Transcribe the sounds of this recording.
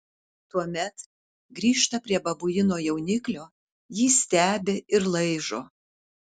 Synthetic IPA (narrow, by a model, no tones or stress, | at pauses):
t̪uɔmʲɛt̪ | ɡɾʲiːʃt̪ɐpʲɾʲiɛbɐbʊjɪnoːjɛʊnʲɪklʲoː | jiːsʲt̪ʲæːbʲeɪɾlˠɐɪʒoː